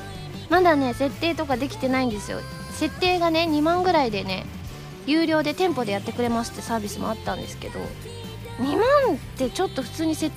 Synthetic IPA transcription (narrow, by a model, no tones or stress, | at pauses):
mad̪ane̞se̞t̪ːe̞ːt̪o̞kad̪e̞kʲi̥t̪e̞naĩnd̪e̞sɨjo̰ | se̞t̪ːe̞ːɡane̞ɲ̟imãŋɡɯ̟ɾaid̪e̞ne̞̰ | jɯːɾʲo̞ːd̪e̞t̪ẽ̞mpo̞d̪e̞jat̪ːekɯ̟ɾe̞masɨ̥t̪ːesaːbʲisɨmo̰at̪ːãnd̪e̞sɨ̥ke̞̰d̪o̞̰ | ɲ̟imãnt̪e̞t͡ɕo̞t̪ːo̞ɸɯ̟̥t͡sɨːɲ̟ise̞